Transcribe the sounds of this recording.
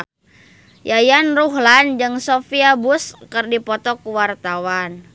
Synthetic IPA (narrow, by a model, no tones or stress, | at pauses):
jajanruɦland͡ʒɨŋsofiabuskɨrdipɔt̪ɔkuwart̪awan